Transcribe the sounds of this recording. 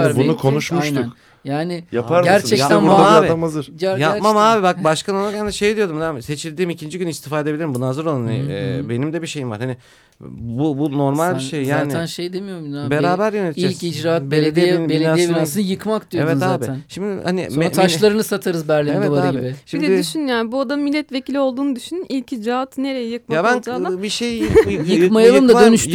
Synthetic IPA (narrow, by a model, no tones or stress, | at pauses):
buukʰo̞nuʃmmuʃunk | jaːnɪjapʰaɾæɾɛc̪ænuɾd̪aaːabiamazɯɾ̥ɟjapmamaːbibak̚baʃkanonacʰɛnd̪ɛʃe̞jd̪ijo̞d̪umd̪æmse̞t͡ʃʰilʲd̪iːmicʰind͡ʒiɟynist̪ʰi̥faːɾed̪eilʲiɾimbunaɦazɯɾolˠaanibe̞nimd̪ɛbiʃe̞jimvaɾ̥hanɪ | bubuno̞ɾmalʲbiʃejjaːnænʃejd̪emijoɾminabeɾɾaːbæɾjønet̪ʰʲid͡ʒelʲid͡ʒɾaːt̪beɾed̪iinbieaijɛiasɯnjɯkmakd̪ijoevɛt̪zaːb̪ʰnʃimd̪ɪhanḭsomt̪ʰaʃlˠaɾɯnɯsat̪ʰaɾɯzbæɾlʲievɛvaɾaɯaɟibɪʃimd̪ɛd̪ɪd̪yʃynjaːnbuad̪amilʲːɛt̪ve̞cilʲio̞lˠd̪uːnɯd̪yʃynynilʲcid͡ʒɾaat̪ne̞ɾejɛjɯk̚mjabænbiʃejjɯmajalˠɯmd̪ad̪ønyʃ